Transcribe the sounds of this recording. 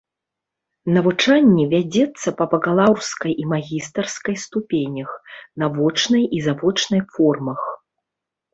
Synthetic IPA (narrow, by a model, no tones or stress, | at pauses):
nɐvut͡ʂanʲːɛvʲad͡zʲɛt̪sːɐpɐbɐɣalˠawskɐjʔimaɣʲist̪ɐrskɐjst̪upʲenʲɐxnavɔt͡ʂnɐjizavɔt͡ʂnɐjfɔrmɐx